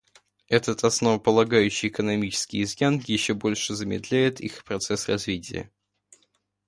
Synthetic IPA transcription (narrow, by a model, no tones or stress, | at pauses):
ɛt̪ət̪ɐsnovəpəlˠɐɡajʉɕːɪjɪkənɐmʲit͡ɕɪ̥skʲɪ̰jɪzjanjɪɕːobo̞lʲʂɨzəmʲɪd̪lʲæjɪt̪ʰixpɾɐt̪sɛsrɐzvʲitʲɪ̰jə̰